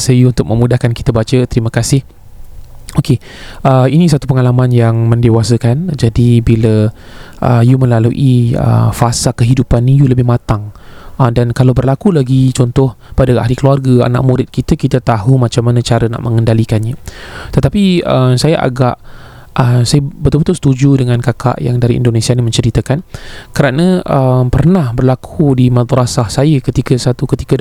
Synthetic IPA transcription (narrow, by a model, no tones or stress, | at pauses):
səjuunt̪ʊk̚mə̃mudahkanki̥t̪əbat͡ʃət̪əɾiməkasɪh | oke | ʔəinĩsat̪upəŋalamãnjaŋməndewasəkand͡ʒadibilə | ʔə̰jumə̃lalṵʔiə̰fasakəɦidupanːĩjuləbɪhmãt̪aŋədankalawbərlakulaɡit͡ʃɔnt̪ɔhpadaʔa̰hlikəluarɡaa̰na̰ʔmũɾɪt̪̚kit̪əkit̪at̪aɦumãt͡ʃamːanə̃t͡ʃaɾəna̰ʔmʔəŋəndalikanɲət̪ət̪apiəmsajaʔa̰ɡaʔ | ʔəsajəbət̪ʊlbət̪ʊlst̪ud͡ʒudəŋãnkakʰa̰ʔja̰ŋdaɾiḭndonesianimə̃ɲt͡ʃəɾit̪əkankəɾanəʔəmpərnahbərlakʰudimãd̪ɾasahsajəkət̪ikəsat̪ukət̪i̥kə